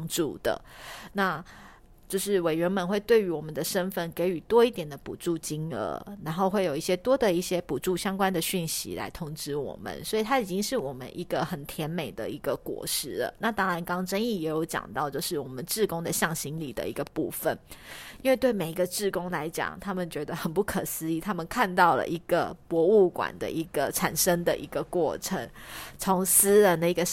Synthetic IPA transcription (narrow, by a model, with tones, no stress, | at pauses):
ŋʈ͡ʂu˥˩d̪̥ə̰˩na˥˧ | t͡ɕjo˥˧ʊʂɻ̩˥˩we˨ɪɥɛ˧˥nmə˧nxwe˥˧ɪt̪we˥˩ɪy˧˥wɔ˨˩mə˨˦nd̪ə˨ʂə˥nfə˥˩nke˧˥ɪy˧˩t̪wɔ˥i˥˩t̪jɛ˨˩nd̪ə˦pṵ˨˩ʈ͡ʂu˥˩t͡ɕi˥ŋə̰˧˥na˧˥nxo˥˧ʊxwe˥˩ɪjo˨˩i˥˩ɕjɛ˥t̪wɔ˥d̪ə˨i˥˩ɕjɛ˥pu˨˩ʈ͡ʂu˥˩ɕjɑ˥ŋkwa˥nd̪ə˨ɕy˥˩nɕḭ˧˥la̰˧˥ɪt̪ʰʊ˥ŋʈ͡ʂɻ̩˥wɔ̰˨˩mə̰˦nswɔ˧˥i˨t̪ʰa˥i˨˩t͡ɕi˥ŋʂɻ̩˥˩wɔ˨˩mə̰˦nʔi˧˥ɡ̥ə˨xə˨˩nt̪ʰjɛ˧˥nme˨˩ɪd̪ə̰˨i˧˥ɡə˧kwɔ̰˨˩ʂɻ̩˥˩lə̰˨na˥˩t̪ɑ˥ŋɻa˧˥nkɑ˥ŋʈ͡ʂə˥ni˥˩jɛ˨˧˥jo˧˥ʊt͡ɕjɑ̰˨˩ŋt̪ɑ˥˧ʊt͡ɕjo˥˧ʊʂɻ̩˥˩wɔ˨˩mə˦nʈ͡ʂɻ̩˥˧kʊ˥ŋd̪ə˨ɕjɑ˥˩ŋɕi˧˥ŋli˨˩d̪ə̰˦i˧˥ɡə˧pṵ˥˩fə˨˩nii˥nwe˥˧ɪt̪we˥˩ɪme˨˩i˧˦ɡə˧ʈ͡ʂɻ̩˥˩kʊ˥ŋla˧˥ɪt͡ɕjɑ̰˨˩ŋt̪ʰa˥mə˨nt͡ɕɥɛ˧˥d̪ə˧xə˨˩npu˥˩kʰə˨˩sɹ̩˥i˥˩t̪ʰa˥mə˨nkʰa˥˧nt̪ɑ˥˩ʊlə̰˩ʔi˧˥ɡ̥ə˨pwɔ˧˥u˥˩kwa̰˨˩nd̪ə̰˦ʔi˧˥ɡ̥ə˨ʈ͡ʂʰa˨˩nʂə˥ŋd̪ə̰˨ʔi˧˥ɡə˧kwɔ˥˩ʈ͡ʂʰə˧˥ŋt͡sʰo˧˥ŋs̩˥ɻə˨nd̪ə˨i˧˥ɡə˧